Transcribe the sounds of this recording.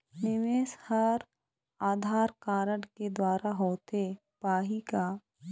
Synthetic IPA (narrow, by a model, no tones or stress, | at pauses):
nɪʋeːshəɾ | aːd̪ʱaːɾkaːɾəɽked̪waːɾaɦoːt̪e | paːɦika